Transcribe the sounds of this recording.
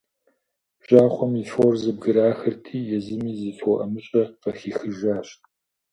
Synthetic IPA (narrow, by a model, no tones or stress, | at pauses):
ʒ̥aːχʷɔmifoːrzɨb̚ɡɨɾaːxɐrtʰiːjɛzɨmiːzɨfɔʔɐmɨɕʼɐqɐxiːxɨʒaːɕt